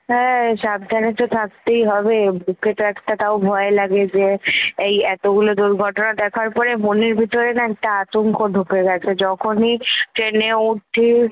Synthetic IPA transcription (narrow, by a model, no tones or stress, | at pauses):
ɦɛ̃ʃab̚d̪ʱanet̪ot̪ʰak̚t̪ejɦɔbebʱuket̪oɛkʈat̪aobʱɔelaɡed͡ʑeejɛt̪oɡulod̪uɾɡʱɔʈonad̪ɛkʰaɾpɔɾemoniɾbʱit̪oɾenaɛk̚ʈaat̪oŋkoɖʱukeɡɛt͡ɕʰed͡ʑɔkʰoniʈɾeneuʈʰːi